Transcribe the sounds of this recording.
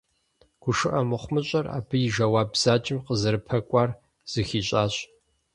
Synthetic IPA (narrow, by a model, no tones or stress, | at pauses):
ɡ̥ʷʊʂɨʔɐmɨχʷmɨɕʼɐra̰ːpʰɨjɪʒɐwaːbz̥aːt͡ʃʼɪmqəzɨɾɨpʰɐkʷʼɑːr | z̥ɨxiːɕʼaːɕʼ